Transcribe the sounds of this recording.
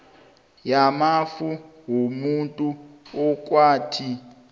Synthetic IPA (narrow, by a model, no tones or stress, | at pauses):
jamafuɦomuntʼuɔk̬ʼwaːtʰi